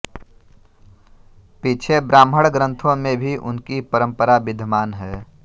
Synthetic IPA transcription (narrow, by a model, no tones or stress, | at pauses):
pit͡ʃʰebɾaːmɦəɽɡɾə̃nt̪ʰõmẽbʱiʔʊ̰nkipəɾə̃mpəɾabɪd̪ʱmaːnɦɛː